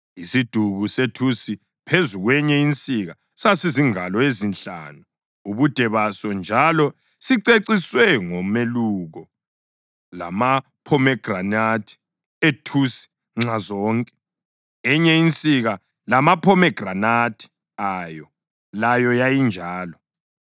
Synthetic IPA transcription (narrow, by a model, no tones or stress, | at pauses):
isid̥ʱuɣusetʰusi | pʰezuɣwɛɲɛint͡sʼiɣa | sasiziŋalɔezinɬa̰nu | uβud̥ʱɛβasɔnd͡ʒʱalɔ | siǀeǀiswɛŋɔmeluːɣɔ | la̰ma | pʰɔmɛɡ̥ranatʰi̥ | etʰusi̥ | ŋ͡ǁazɔːŋkʼɛ̥ | ɛɲɛint͡sʼiɣa | lamapʰɔmɛɡ̥ranatʰi̥ | aːjɔ | lajɔjajind͡ʒʱaːlɔ